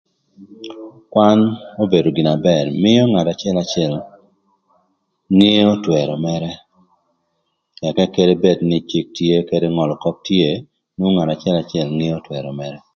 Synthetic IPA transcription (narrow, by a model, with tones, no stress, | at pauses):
kwa˦no˦be˨do˨ɡi˨na˨bɛ˨ɾmɪ˦jɔ˦ŋa˨ta˨t͡ʃɪ˦ɛ˦la˨t͡ʃɪɛ˨l | ŋe˦o˦twɛ˨ɾɔ˨mɛ˦ɾɛ˦ | ɛ˨kɛ˦ke˦de˦be˦dnɪ˨t͡ʃi˦k̚tje˦kede˦ŋɔ˨lkɔ˦k̚tje˦˨ | no˦ŋa˨ta˨t͡ʃɪɛ˦la˨t͡ʃɪ˦ɛ˨lŋi˦o˦twɛ˨ɾɔ˨mɛ˦ɾɛ˦